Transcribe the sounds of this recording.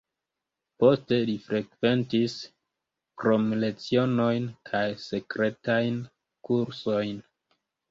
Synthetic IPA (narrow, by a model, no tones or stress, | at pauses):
po̞ste̞lifɾʔe̞kve̞ntis | kɾo̞mle̞t͡sio̞no̞jnkʰajse̞kɾe̞tajn | kuɾso̞jn